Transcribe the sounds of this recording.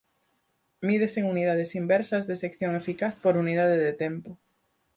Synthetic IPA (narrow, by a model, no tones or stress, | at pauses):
miðeseŋuniðað̞esimbɛɾsɐzðesekθjoŋefikaθpoɾunið̞aðeðet̪ɛmpo